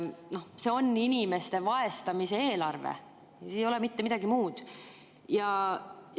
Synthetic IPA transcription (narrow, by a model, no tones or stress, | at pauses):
no̞hse̞o̞nːinʲime̞st̪e̞vɑe̞st̪ɑmise̞eːlɑrvḛ | sjo̞lemit̪ːe̞mid̪̥ɑɡ̥imuːd̪̥ | jɑ